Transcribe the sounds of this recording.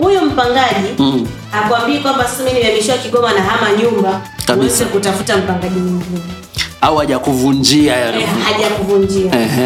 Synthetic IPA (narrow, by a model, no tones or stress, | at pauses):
hujum̩paŋɡaʄi | hakuambiikwambasasamimilamiʃiwakiɠɔmanaɦamaɲumba | kauɛzɛkutafutam̩paŋɡaʄimwiŋɡinɛnɛ | auaʄakuvund͡ʒiahaʄakuvuɲd͡ʒiaɛ